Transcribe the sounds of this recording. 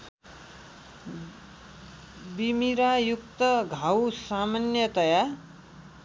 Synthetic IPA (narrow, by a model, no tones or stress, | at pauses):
bimiɾajuk̚t̪ʌɡʱawsamanjʌt̪ʌja